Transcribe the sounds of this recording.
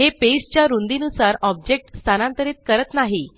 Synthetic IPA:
ɦepest͡ɕjaɾund̪inusaɾɔb̚d͡ʑek̚ʈst̪ʰanãnt̪əɾiːt̪̚kəɾət̪naɦi

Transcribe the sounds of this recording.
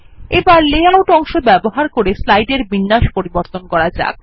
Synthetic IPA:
ebaɾleaoʈɔŋʃobɛboɦaɾkoɾeslajɖeɾbinːaʃpoɾiboɾt̪onkɔɾad͡ʑa̰k̚

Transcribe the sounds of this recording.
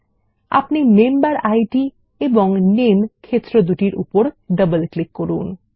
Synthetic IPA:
a̰pnimembaɾajʈi | eboŋnemkʰet̪ːɾod̪uʈiɾʔṵpoɾɖəbəlklikːoɾun

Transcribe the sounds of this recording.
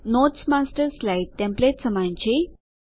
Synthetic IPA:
noʈsmasʈəɾslaiʈːẽmpletsəmãɲt͡ɕe

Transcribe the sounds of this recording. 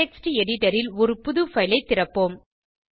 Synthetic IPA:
ɛksʈiɛɽɪʈɐɾɪlɔɾɯpʊðɯfɐɪlɐɪt̪ːɪrɐpːoːm

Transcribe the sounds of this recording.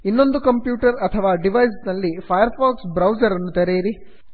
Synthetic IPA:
inːo̞nd̪ukɐmpjuːʈɐɾɐt̪ʰɐʋaːɖiʋɐjs̬nɐlːipʰɐjɐɾpaːksbɾɐwd͡ʒɐɾɐnːut̪eɾejɾi

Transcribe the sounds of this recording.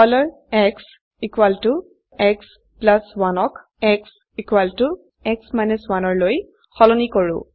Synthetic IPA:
kɔlɔɹ | ɛks | ikwaltu | ɛks | plaswanɔk | ɛks | ikwaltu | ɛksmajnuswanɔɹloj | xɔlɔnikɔɹʊ̰̃

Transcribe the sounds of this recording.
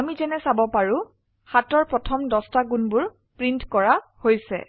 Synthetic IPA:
amizɛnɛsabɔpaɹʊ̃ | xatɔɹpɹɔtʰɔmdɔstaɡunbʊɹ | pɹintkɔɹahojsɛ̰

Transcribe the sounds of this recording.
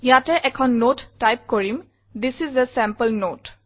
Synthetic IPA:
ijatɛʔɛkʰɔnːotːajp̚koɹim | d̪isizəsɛ̃mpəlnot

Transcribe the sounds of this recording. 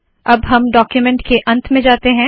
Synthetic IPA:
ɐbɦɐmɖɔːkjumɛ̃ɳʈkeʔɐ̃nt̪ʰmẽd͡ʒaːt̪eɦɛ̃ː

